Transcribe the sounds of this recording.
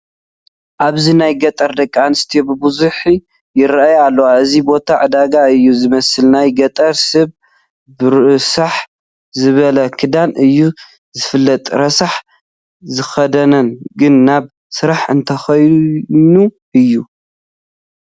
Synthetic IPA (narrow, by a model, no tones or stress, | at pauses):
ʔaβzinajɡɐt̪ʼɐɾd̪ɐkʼːanɨst̪ʰijobɨbuzuħi | jɪɾajalːɐwaɨzibo̞t̪ʰaʕɨd̪aɡaɨjːuzɨmɐsɨlnajɡɐt̪ʼɐɾsɨβ | bɨɾsaħ | zɨβɐlɐkʰɨd̪anɨjːu | zɨfɨlːɐt̪ʼɾɐsaħ | zɨxɐd̪ɐnɐnɡɨnːaβ | sɨɾaħɨnt̪ʰɐxɐjnu | ʔɨjːu